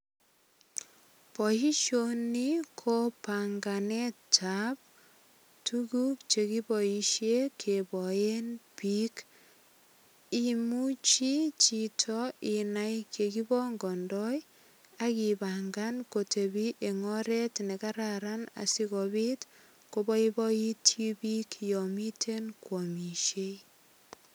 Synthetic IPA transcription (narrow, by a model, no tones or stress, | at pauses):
pɔhiʃonikʰopaŋɡanetap̚ | tʰuɡuk̚t͡ʃekibɔiʃekʰebɔenpik | imut͡ʃit͡ʃitʰɔinajkʰekibɔŋɡɔndɔj | akibaŋɡankotʰebiʔeŋɔɾetnekaɾaɾana̰sikɔbit | kobɔibɔitʰibikjɔmitʰenkwɔmiʃe